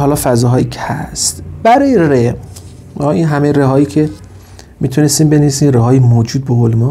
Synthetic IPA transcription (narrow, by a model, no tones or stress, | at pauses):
ɦɒːlɒːfæzɒːɦɒːjiːcʰehæst̪b̥æɾɒːjere | ɒʔiːnɦæmejɾeɦɒːjiːcʰe̞ | miːt̪ʰunest̪iːmbe̞nevisiːmreɦɒːjemoːd͡ʒuːd̪̚beholmɒ